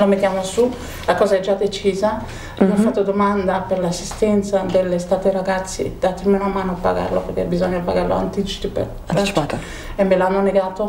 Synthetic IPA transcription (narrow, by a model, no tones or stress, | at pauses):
lomet̪ːjamosu | lakɔːzaɛd͡ʒːad̪et͡ʃiːza | iɔffat̪ːod̪omand̪apeɾlasːist̪ɛnt̪sad̪elːest̪at̪eɾaɡat̪sːḭd̪̥at̪ːimenamaːnoapːa̰ɡa̰ɾloperk̟ebizɔɲːapaɡaɾlo̰a̰nt̪it͡ʃi̥t̪ipḛ | t̪ | emːelanːoneɡaːt̪o